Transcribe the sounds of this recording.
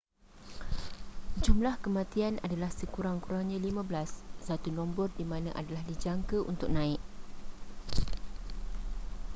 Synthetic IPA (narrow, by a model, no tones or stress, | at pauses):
d͡ʒumlahkəmãt̪iana̰dalahsəkuɾaŋkuɾaŋɲãlimãblassat̪unɔ̃mbɔrdimãnã̰ʔa̰dalahdid͡ʒaŋkəʔṵnt̪ʊk̚nãɪʔ̚